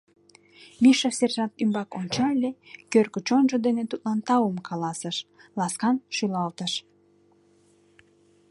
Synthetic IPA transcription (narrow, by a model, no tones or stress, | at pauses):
miʃɑserʒɑt̪ymbɑkont͡ɕɑlʲekørkət͡ɕonʒəd̪enet̪ut̪lɑnt̪ɑwəmkʰɑlɑsəʃlɑskɑnʃylɑlt̪əʃ